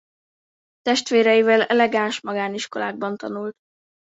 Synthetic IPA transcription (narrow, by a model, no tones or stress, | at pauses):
t̪ɛʃt̪ʋeːɾɛjivɛlɛlɛɡaːnʃmɒɡaːniʃko̞la̰ːɡ̚bɒnt̪ɒnult̪